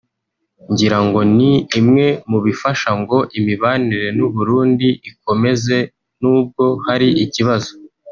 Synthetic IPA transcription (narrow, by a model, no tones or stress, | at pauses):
ɲɟiɾaŋɡo̞niːmŋe̞muβifaʃaŋɡo̞ʔimiβaːniɾe̞nuβuɾuːndiiko̞me̞ze̞ | nuːb̚ɡo̞haɾiiciβazo